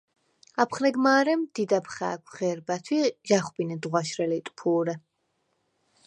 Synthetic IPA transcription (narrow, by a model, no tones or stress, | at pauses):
apʰχnɛɡmaːɾɛmd̪id̪apʰχa̰ːkʷʰʁɛɾbat̪ʰwiʒaχbinɛd̪ʁwaʃɾɛlit̪ʼpʰuːɾɛ